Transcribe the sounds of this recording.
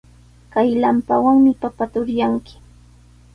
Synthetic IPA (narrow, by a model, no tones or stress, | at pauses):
kajlampawaŋmɪpapat̪ʊɾjaŋkɪ̥